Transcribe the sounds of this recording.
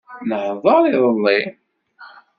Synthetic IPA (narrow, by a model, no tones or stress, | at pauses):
nəhðˤɑɾˤiðˤəlːi